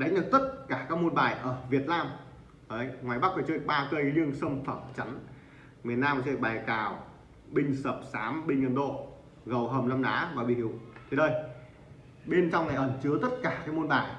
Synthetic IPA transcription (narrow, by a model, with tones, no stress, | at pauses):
ɗa˨˦ŋ̟zə˨˩t̪ə˦˥t̚kaː˧˩kaː˦˥k̚mo˧nɓaː˨˩jʔəː˧˩vi˨˩ət̚naː˧m | əː˨˧˦jŋwaː˨˩jɓa˦˥k̚fɔː˧˩t͡ɕə˦˨˩k̚ɓaː˧kə˧jɲɨ˧ŋsə˧wŋ͡mfəː˧˩mt͡ɕa˨˦n | mi˨˩ənaː˧m˨˩˨əː˦˨˩ɓaː˨˩jkaː˧˩w | ɓï˧ŋ̟səː˨˩p̚saː˨˦mɓï˧ŋ̟ʔə˧nɗo̰˧˨ | ɣə˨˩wɦəː˨˩mla˧mɗaː˨˦maː˨˩ɓḭ˧˨hi˧˩əwt̪ʰe˧˩ɗəː˧˩j | ɓe˧nt͡ɕɔ˧wŋ͡mna˨˩ʔəː˧˩nt͡ɕɨ˨˦ət̪ə˦˥t̚kaː˧˩kaː˦˥k̚mo˧nɓaː˨˩j